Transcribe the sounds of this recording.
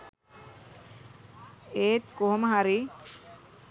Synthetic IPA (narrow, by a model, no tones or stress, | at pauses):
eːt̪koɦoməɦaɾi